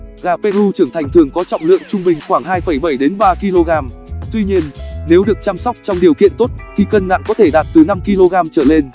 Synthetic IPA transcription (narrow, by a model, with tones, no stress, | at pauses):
ɣaː˨˩pe˧ʔu˧t͡ɕɨ˧˩əŋt̪ʰa˨˩jŋ̟t̪ʰɨ˨˩əŋkɔ˨˦t͡ɕɔ̰˧˨wŋ͡mlɨ̰˧˨əŋt͡ɕʊ˧ŋ͡mɓï˨˩ŋ̟xwaː˧˩ŋɦaː˧jfə˧˩jɓə˧˩jɗe˨˦nɓaː˧ki˧lo˧ɣaː˧m | t̪wi˧ɲi˧ənne˨˦wɗɨ˨˩ək̚t͡ɕaː˧msɔ˦˥wk͡p̚t͡ɕɔ˧wŋ͡mɗi˨˩əwkḭ˧˨ənt̪o˦˥t̚t̪ʰi˨˩kə˧nna̰ː˧˨nkɔ˨˦t̪ʰe˧˩ɗaː˨˩t̚t̪ɨ˨˩na˧mki˧lo˧ɣaː˧mt͡ɕəː˧˩le˧n